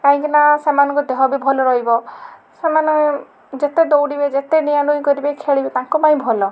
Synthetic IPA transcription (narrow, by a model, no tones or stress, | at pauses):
kaɦũŋkinasemanɔ̃ŋkud̪eɦɔbibʱɔlɔɾɔɦibɔ | semanɔ̃ | d͡ʒet̪ed̪owɽibed͡ʒet̪enijanujkɔɾibekʰeɭibet̪ãŋkupaĩbʱɔlɔ